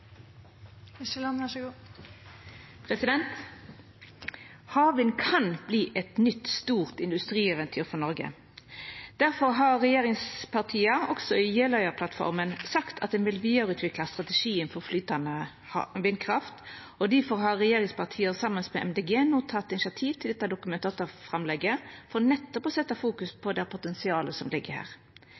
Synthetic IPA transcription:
ɪʃɛlɑnæʃɡu | pʰʁɛsɪd̪ɛnt̪ | hɑːʋɪnkʰɑnb̥liːʔɛt̪nʏt̪st̪uːʁt̪ɪnd̪ʉst̪ɾiːɛʋɛnt̪ʰyːʁfɔnɔɾɡə̰ | d̪̥æʁfɔʁɦɑːʁʁɛjeːʁɪŋspʰɑʁt̪ʰiːɑɔksɔɪjeːlœʏəʁpʰlɑt̪fɔ̰ʁmənsɑkt̪ʰɑt̪̚d̪ɛnʋɪlʋiːəɾʉːt̪ʰʋɪklɑst̪ʁɑt̪ɛʂiːənfɔʁflyːt̪ɑnə | ɑʋɪnkʰʁɑft̪ | ɔd̪æfɔʁɦɑʁʁɛjeːʁɪŋspɑʁt̪ʰiːəsɑmənsmɛʔɛmd̪eːɡeːnuːt̪ʰɑt̪ːɪnɪʃɑt̪ʰiːʋt̪ɪld̪ɛt̪ːɑd̪ʊkʉmɛnt̪ʰɑːt̪ɔfɾɑmlɛɡːəfɔʁnɛt̪ːɔpɔsɛt̪ːɑfuːkʉspʰɔd̪æpʰʊt̪ɛnsɪɑːləsɔmlɪɡəhæ̰ːʁ

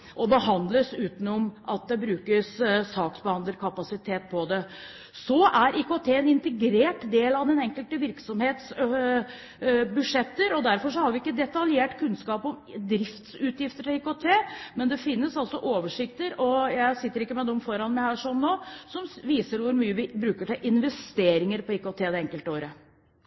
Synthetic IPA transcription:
ʔɔbəɦɑnd̪ləsʉːt̪ən̩ɔmʔɑt̪̚d̪ɛbɾʉːkəssɑːksbəhɑnd̪əɾkʰɑpɑsɪt̪ʰeːt̪̚pʰɔd̪ɛ | sɔʔæɾʔikot̪ʰeːɛnɪnt̪əɡɾeːʈd̪eːlɑd̪ɛnɛŋkəlt̪əʋɪɾksɔmheːt̪s | bʉʂɛt̪ːəɾɔd̪æɾfɔʂɔhɑɾʋɪɪkːəd̪ɛt̪ɑljeːʈkʰʉnskɑːpɔmd̪ɾɪft̪sʉːt̪jɪft̪əʈɪliːkot̪ʰeːmɛnd̪ɛfɪnːəsɑlsɔʔoːʋəʂɪkt̪əɾɔjæɪsɪt̪ːəɾɪkːəmɛd̪ɔmfɔɾɑnmæɪhæːʂɔnnoːsɔmʋiːsəɾʋʊɾmyːəʋɪbɾʉːkəʈɪlʔɪnʋɛst̪eːɾɪŋəɾpɔiːkot̪ʰeːd̪ɛɛŋkəlt̪əoːɾə

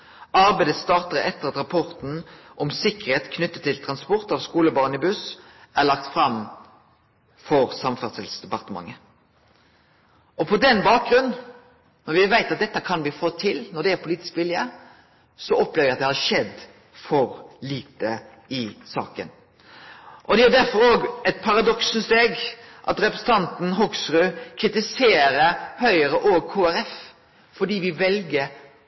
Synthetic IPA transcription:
ʔɑɾbæɪd̪əst̪ɑːʁt̪əʁəɛt̪ːəʁɑt̪ɾɑpʰɔʁt̪n̩ʔɔmsɪkːəɾheːt̪kʰnʉt̪ːət̪ʰːɪlt̪ʰɾɑnspɔʁt̪ɑːʋskuːləbɑʁnɪbʉs | æʁlɑk̚t̪fɾɑm | fɔɾsɑmfœʁt̪ɪlsd̪ɛpɑʁt̪əmɑ̰ŋːə | ɔpʰɔd̪ɛnbɑːk̚ɡɾʉnn | nɔʁʋɪʋæɪt̪ɑt̪̚d̪ɛt̪ːəkʰɑnb̪iːfɔt̪ʰːɪlnɔd̪ɛæɾpʰʊliːt̪ɪskʋɪlːjə | sɔɔpːlɛʋɪɑt̪̚d̪ɛhɑɾʂɛd̪ | fɔɾliːt̪ə | ɪsɑ̰ːkə̰n | ʔɔd̪ɛæɖ̪æɾfɔɾoːɡɛt̪̚pʰɑɾɑd̪ɔksn̩st̪eːɡʔɑ̰t̪ɾɛpɾɛsən̩t̪ɑnt̪n̩ɦʊɡsɾʉkʰɾɪt̪ɪseːɾəɾhœʏəɾəʔoːɡkʰoːæɾɛf | fɔɖiːʋɪʋɛlɡəɾ

